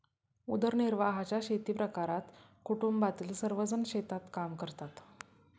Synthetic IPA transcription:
ud̪əɾniɾʋaɦat͡ɕjaɕet̪iːpɾəkaɾat̪kuʈumbat̪ilsəɾʋəd͡zənɕet̪at̪kamkəɾt̪at̪

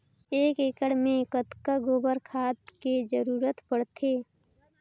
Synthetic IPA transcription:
eːkeːkəɽ̤mẽkət̪kaɡoːbəɾkʰaːt̪ked͡ʒəɾuːɾət̪pəɽt̪ʰeː

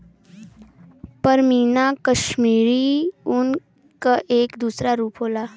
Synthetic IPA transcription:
pəɾmiːnakəʃmiːɾiʊn | kaʔeːkd̪uːsɾaɾuːpɦoːlaː

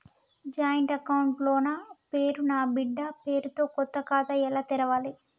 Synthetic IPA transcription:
d͡ʒaːjɐɳʈɐkɐwuɳʈlo̞ːnaːpe̞ːɾunaːbiɖːɐpe̞ːɾut̪o̞ːkɔt̪ːɐkaːt̪ɐɛlaːt̪ɛɾɐʋaːli

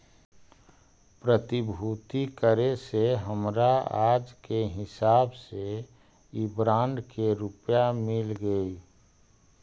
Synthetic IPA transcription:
pɾət̪ibʱuːt̪ikəɾeseɦəmɾaaːd͡ʒkeɦɪsaːbse | ibɾãːɳɖkeɾupjamɪlɡəi

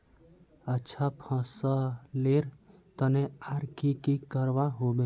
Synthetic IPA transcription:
ətːʃʰapʰãːsaleɾ | t̪əneaːɾkikikəɾʋaɦoːbẽ

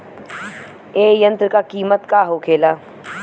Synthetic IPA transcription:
eːjə̃nt̪ɾkaːkiːmət̪kaːɦoːkʰeːlaː

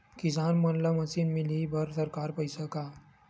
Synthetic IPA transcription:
kid͡ʑanmənləməsinmilibʱəɾsəɾkaɾpəjsəka

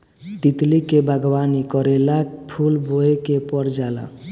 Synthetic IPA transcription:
d̪it̪likebʱaɡbanikɔɾelak̚pʰulbʱoekepɔɾd͡ʒala̰

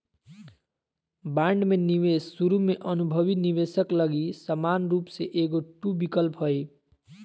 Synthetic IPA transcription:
baɳɖmeniʋesːuɾumeʔənubʱəbiniʋesəkləɡisəmanɾupseʔeɡoʈubikəlpɦoj

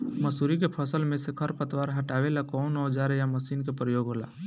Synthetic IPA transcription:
məsuɾik̬epʰəsəlmẽsekʰəɾpət̪waɾɦəʈaːʋelakɔːnɔd͡ʒaɾejaməsiːnkepɾəjoːɡɦola̰

